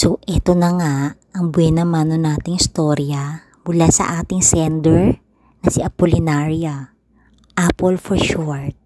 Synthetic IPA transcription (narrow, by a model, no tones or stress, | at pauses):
soʔɛt̪onɐŋaʔʔɐŋbwɛnɐmaːnonaːt̪ɪŋɪst̪oɾjɐ | mʊlasɐ̰ʔaːt̪ɪŋsɛnd̪ɛɹ | nɐsɪʔɐpolɪnaɹiɐ | ʔapolfɔɹʃoɹt̪̚